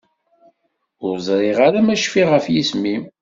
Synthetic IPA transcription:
ʊɾzˤɾˤeʁaɾamæʃfiʁəfjismim

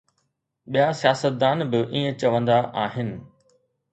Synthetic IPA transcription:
ɓijasijaːsət̪̚d̪aːnbɪʔĩːə̃t͡ɕɐʋə̃nd̪aʔaːɦɪnɪ̆

